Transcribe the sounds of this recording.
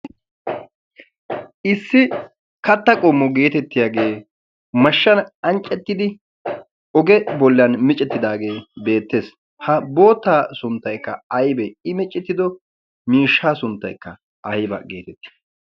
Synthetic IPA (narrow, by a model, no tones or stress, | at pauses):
ʔɪsːɪ | kɐt̪ːɐkʼɔmːɔɡe̞ːt̪ɛt̪ːɪjaːɡe̞ː | mɐʃːɐnɐnt͡ʃʼːɛt̪ːɪd̪ɪ | ʔɔɡɛbɔlːɐnmɪt͡ʃʼːɛt̪ːɪd̪aːɡe̞ːbe̞ːt̪ːe̞ːs | hɐbo̞ːt̪ːaːsʊnt̪ːɐjkːɐɐjbɛɪmɪt͡ʃʼːɪt̪ːɪd̪ɔ | miːʃːaːsʊnt̪ːɐ̰jkːɐ | ʔɐjbɐ̰ɡe̞ːt̪ɛt̪ːɪ̥